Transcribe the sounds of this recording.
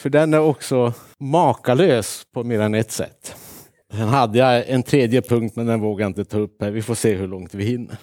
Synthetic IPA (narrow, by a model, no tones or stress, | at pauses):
fœɖɛnæɾɔksɔ | mɑːkaløːspʰɔmeːɾanɛt̪ːsɛ̰t̪ː | sɛnɦad̪ːəjaɛnt̪ʰɾeːd̪jəpʰɵŋk̚t̪mɛnd̪ɛnvoːɡaɾɪnt̪ət̪ʰɑːɵpːhæːɾvɪfoːseːɦɵɭɔŋt̪vɪhɪnːə̰ɾ